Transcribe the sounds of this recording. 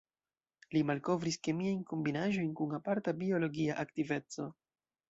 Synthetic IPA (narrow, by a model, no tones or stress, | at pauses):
limalko̞vɾiske̞miajnko̞mbinaʒo̞jnkunapaɾtabio̞lo̞ɡiaʔaktive̞t͡so̞